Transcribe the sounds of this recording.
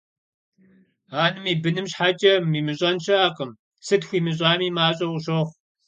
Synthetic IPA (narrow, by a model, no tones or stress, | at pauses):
aːnɨmiːbɨnɨmɕħat͡ʃʼɐmiːmɨɕʼɐnʃɐaːqəm | sɨtxʷiːmɨɕʼaːmiːmaːɕʼɐwɕoχʷ